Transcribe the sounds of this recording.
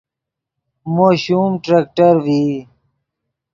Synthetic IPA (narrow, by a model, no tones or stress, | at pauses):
moːɕuːmʈɾeːk̚ʈəɾʋiː